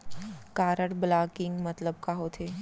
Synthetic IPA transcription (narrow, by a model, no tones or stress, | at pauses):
kaːɾəʈblaːkɪ̃ŋɡmɐt̪ləb̚kaɦot̪ʰeː